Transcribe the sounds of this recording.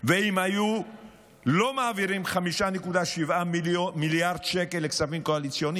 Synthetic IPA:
veimhaju | lo̞maːviʁimχamiʃanekud̪aʃivamiljaʁd̪ʃekelːeksavimkoalit͡sjo̞ni

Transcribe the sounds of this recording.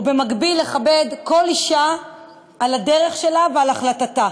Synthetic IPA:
ube̞maɡbilːeχabe̞dko̞liʃaː | lade̞ʁe̞χʃe̞lavealaχlatata

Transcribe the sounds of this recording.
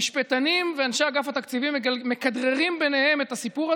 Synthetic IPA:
iʃpet̪animveanʃaaɡafat̪akt͡sivimemːekad̪ʁeʁimbe̞ne̞he̞met̪asipuʁa

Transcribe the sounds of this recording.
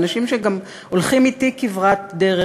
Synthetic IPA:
naʃimʃeɡam | olχimitikivʁat̪deʁe

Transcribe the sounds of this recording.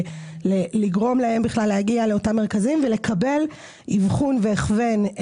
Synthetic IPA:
leliɡʁo̞mlahe̞mbiχlalːehaɡiale̞otamːe̞ʁkazimvele̞kʰabe̞l | ivχunveeχve̞n

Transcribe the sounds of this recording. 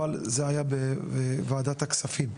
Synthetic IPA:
alzeajabeevaːd̪at̪aksafim

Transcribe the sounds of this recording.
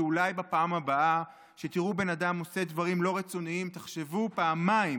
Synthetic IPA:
ulajbapaːmabaʔa | ʃe̞t̪iʁube̞nadamo̞se̞d̪vaʁimlo̞ʁet͡so̞niimt̪aχʃe̞vupaːmaim

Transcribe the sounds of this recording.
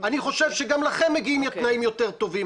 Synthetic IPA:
aniχo̞ʃevʃeɡamlaχe̞mːeɡiimjot̪naimjo̞t̪eʁt̪o̞vim

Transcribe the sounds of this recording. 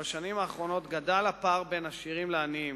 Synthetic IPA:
baʃanimaːχʁo̞no̞t̪ɡadalapaʁbe̞naʃiʁimleanim

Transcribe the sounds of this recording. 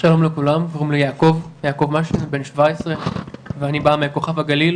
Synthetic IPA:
ʃalo̞mlekulamkoʁimlejaːko̞vjaːko̞vmaʃenbe̞nʃvaesʁeveanibameko̞χavhaɡalil

